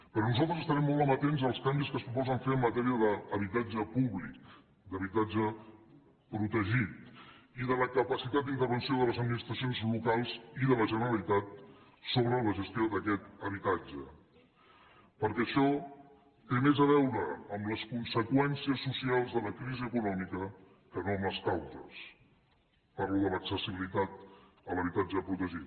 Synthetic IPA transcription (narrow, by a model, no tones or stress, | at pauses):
pəɾɔnuzalˠt̪ɾəzəst̪əɾɛmːɔlˠt̪əmət̪enzəlˠskambiskəspɾupɔzəɱfeəmːət̪ɛɾiəðəːβit̪ad͡ʒəpuβlik | d̪əβit̪ad͡ʒə | pɾut̪əʒit̪iðələkəpəsit̪at̪d̪int̪əɾβənsioðələzəd̪minist̪ɾəsionzlukalˠziðələʒənəɾəlit̪at̪̚ | soβɾələʒəst̪ioðəkɛt̪əβ̞it̪ad͡ʒə | pəɾkɛəʃɔ | t̪emezəβɛwɾəːmləskunsəkwɛnsiəsːusialˠzðələkɾiziəkunɔmikə | kənoməskawzə̰s | paɾluðələksəsiβilit̪at̪̚ | ələβit̪ad͡ʒəpɾut̪əʒit̪